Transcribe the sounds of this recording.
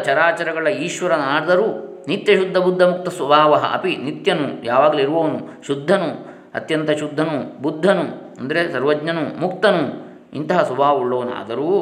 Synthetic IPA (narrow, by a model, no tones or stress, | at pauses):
t͡ʃɐɾaːt͡ʃɐɾɐɡɐɭɐiːʃʋɐɾɐnaːɽd̪ɐɾuː | nit̪jɐʃud̪ʱːɐbud̪ʱːɐmuk̚t̪ɐsʋɐbʱaːʋɐɦɐ̰ʔɐ̰pinit̪jɐnṵjaːʋaːɡɐliiɾuʋɐʋɐnuʃud̪ʱːɐnu | ɐ̰t̪jɐnt̪ɐʃud̪ʱːɐnubud̪ʱːɐnu | ɐnd̪ɐɾesɐɾʋɐd͡ʒɲɐnumuk̚t̪ɐnu | int̪ɐɦɐsubʱaːʋuɭːɐʋɐna̰ːd̪ɐɾuː